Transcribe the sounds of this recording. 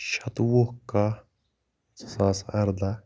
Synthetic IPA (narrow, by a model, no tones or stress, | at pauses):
ʃɐt̪woka | saːsɐɾd̪a